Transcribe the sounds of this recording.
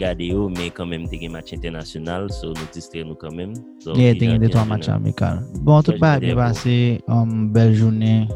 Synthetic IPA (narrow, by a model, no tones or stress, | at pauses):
ɡadeomɛ̃kãmɛ̃mt̪eɡɛ̃mat͡ʃɛ̃t̪ɛʁnasjonalsonũd͡zist̪ɾenũkãmɛ̃msoɛteɡɛ̃detuamat͡ʃa̰mḭka̰lbɔ̃tut̚baːbɛ̃baseɔ̃mbɛlʒunɪ̃